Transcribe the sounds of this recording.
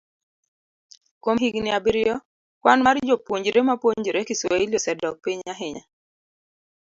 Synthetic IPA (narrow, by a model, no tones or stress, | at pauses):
komɦiɡnɪabɪɾjɔ | kwanmard͡ʒopwoɲd͡ʒɾemapwoɲd͡ʒɾekɪswailjosɛdɔk̚piɲaɦɪɲa̰